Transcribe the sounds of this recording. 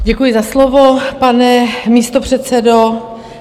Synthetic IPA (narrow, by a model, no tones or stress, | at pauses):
ɟɛkujɪzaslovopanɛmiːst̪o̞pr̝̥ɛt̪t͡sɛdo